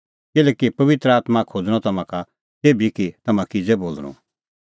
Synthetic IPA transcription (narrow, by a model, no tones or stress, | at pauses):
kɪlɛːkipɐʋɪt̪ɾəaːt̪makʰoːd͡zɽ̃ɔ̃t̪ɐmãka | t̪eːbikit̪ɐmãkɪd͡zɛboːlɽ̃ṵ̃